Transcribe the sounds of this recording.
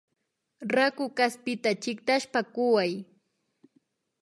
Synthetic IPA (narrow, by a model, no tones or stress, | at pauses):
ɾakʊkaspɪt̪at͡ʃɪkt̪aʃpakʊwaj